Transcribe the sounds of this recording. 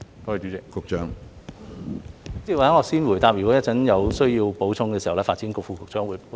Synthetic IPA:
k̪ɔː˧˥˨t͡ʃyː˨˥t͡sɪ˨k̚kʊ˨k̚t͡ʃœː˥ŋ | t͡siː˥˨wa˨˥ŋɔ˨˧siː˥nwuː˨˩jt̪aː˧p̚jyː˨kʷɔ˨˥jɐ˥tt͡sɐ˨˥njɐ˨˧wsɵ˥ɥjiː˧wpo˨˥wt͡sʰʊ˧ŋkɛː˧si˨hɐ˨˩wlɛː˥faː˧tt͡siː˨˥nkʊ˨k̚fuː˨˧kʊ˨˧k̚t͡ʃœː˥ŋwuː˨˧j

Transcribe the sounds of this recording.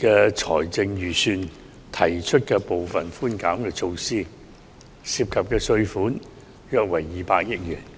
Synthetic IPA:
kɛː˧t͡sʰɔ̰ː˨˩jt͡sɪ˧ŋjyː˨˩syː˨n | t̪ʰɐ˨˩jt͡ʃʰɵ˥t̚kɛː˧po˨wfɐ˨nfuː˥nkaː˨˥mkɛː˧t͡ʃʰo˧wsiː˥ | siː˧p̚kʰɐ˨p̚kɛː˧sɵ˧ɥfuː˨˥n | jœː˨˧k̚wɐ˨˩jːiː˨˩paː˧k̚jɪ˥k̚jyː˨˩n

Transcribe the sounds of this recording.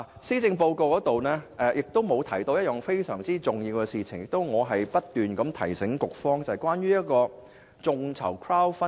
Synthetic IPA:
siː˥t͡sɪ˧ŋpo˧wko˨˧wkɔː˨˥t̪o˨wnɛː˥ʔɛː˧jɪ˨k̚t̪o˥wmo˨˧wt̪ʰɐ˨˩jt̪o˧wjɐ˥t̚jɔ˨˩ŋfe˥jsœ̰ː˨˩ŋt͡siː˥t͡sʊ˨˩ŋjiː˧wkɛ˧siː˨t͡sʰɪ˨˩ŋjɪ˨k̚t̪o˥wŋɔː˨˧ɦɐ˨jpɐ˥t̚t̪yː˨nkɐ˨˥mt̪ʰɐ˨˩jsɪ˨˥ŋkʊ˨k̚fɔː˥ŋt͡sɐ˨jkwʷaː˥nɥyː˥jɐ˥t̚kɔː˧ | t͡sʊ˧ŋt͡sʰɐ̰˨˩wkʰɹaː˥wfɐ˥

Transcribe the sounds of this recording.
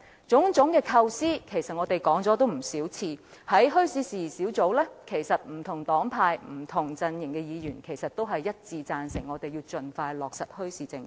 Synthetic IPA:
t͡sʊ˨˥ŋt͡ʃʊ˨˥ŋkɛː˧kʰɐ˧wsiː˥kʰe˨˩jsɐ˨t̚ŋɔ˨˧t̪e˨jkɔː˨˥ŋt͡sɔː˨˥t̪̬o˥wm̩˨˩siː˨˥wt͡sʰiː˧ | hɐ˨˥jɦɵ˥ɥsiː˨˧siː˨siː˨˥wt͡so˨˥wlɛː˥kʰe˨˩jsɐ˨t̚m̩˨˩t̪ʰʊ˨˩ŋt̪ɔː˨˥ŋpʰaː˧jm̩˨˩t̪ʰʊ˨˩ŋt͡sɐ˧njɪ˨˩ŋkɛ˧jiː˨˧jyː˨˩nkʰe˨˩jsɐ˨t̚t̪o˥wɦɐ˨jːɐ˥t̚t͡siː˧t͡saː˧nsɪ˨˩ŋɔː˨˧t̪e˨ji˧wt͡ʃɵ˨nfaː˧jlɔː˨k̚sɐ˨˩t̚hɵ˥ɥsiː˨˧t͡sɪ˧ŋ

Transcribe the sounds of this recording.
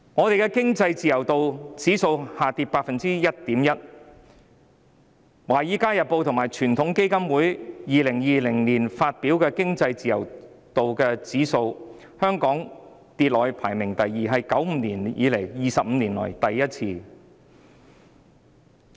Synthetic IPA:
ŋɔː˨˧t̪e˨jkɛː˧kɪ˥ŋt͡sɐ˧jt͡siː˨jɐ˨˩wt̪o˨wt͡siː˨˥so˧whaː˨t̪iː˧p̚paː˧k̚fɐ˨nt͡siː˥jɐ˥t̚t̪iː˨˥mjɐ˥t̚ | waː˨˩jiː˨˥kaː˥jɐ˨t̚po˨˧wt̪ʰʊ˨˩ŋmaː˨˩jt͡ʃʰyː˨˩nt̪ʰʊ˨˥ŋke˥jkɐ˥mwuː˨˥jjiː˨lɪ˨˩ŋjiː˨˧lɪ˨˩ŋliː˨˩nfaː˧t̚piː˨˥wkɛː˧kɪ˥ŋt͡sɐ˧jt͡siː˨jɐ˨˩w | t̪o˨wkɛː˧t͡siː˨˥so˧w | hœː˥ŋkɔː˨˥ŋ | t̪iː˧t̚lɔː˨˧jpʰaː˨˩jmɪ˨˩ŋt̪ɐ˨jːiː˨ɦɐ˨jkɐ˨˥wm̩ː˨˧niː˨˩njiː˨˧le˨˩jjiː˨sɐ˨p̚m̩ː˨˧niː˨˩nlɔ̰ː˨˩jt̪ɐ˨jːɐ˥t̚t͡sʰiː˧

